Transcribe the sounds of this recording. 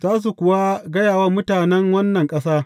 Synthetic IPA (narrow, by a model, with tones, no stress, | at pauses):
zaː˦s̬u˨kʷʊ˨wa˦ɡɐ˦jaː˨wa˦mʊ˦taː˨nɛ˦ŋwɐ˦nːɐ˨ŋkʼɐ˦saː˦